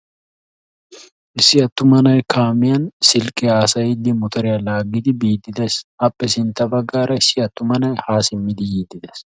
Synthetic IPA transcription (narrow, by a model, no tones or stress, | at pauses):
ʔɪsɪɐt̪ːʊmɐnɐjkaːmɪjɐnsɪlkʼɛaːsɐɪd̪ːɪmʊt̪ɐɾɛɐlaːɡɪt̪ɪbiːd̪ɪd̪ɐsɐpʼːɛsɪnt̪ɐbɐɡaːɾɐɪsɪɐt̪ːʊmɐnɐjhaːsɪmːɪd̪ɪjiːd̪ɪd̪ɐ̥s